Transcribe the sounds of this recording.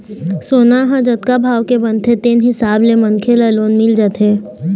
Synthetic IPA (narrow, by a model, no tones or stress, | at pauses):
soːnaɦãd͡ʒət̪̚kabʱaːʋkebə̃nt̪ʰet̪eːnɦɪsaːblemənkʰelaloːnmɪld͡ʒət̪ɦeː